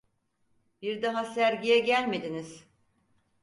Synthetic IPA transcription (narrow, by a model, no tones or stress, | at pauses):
b̥iɾd̪aɦasæɾɟijɛɟælʲme̞d̪iniz̥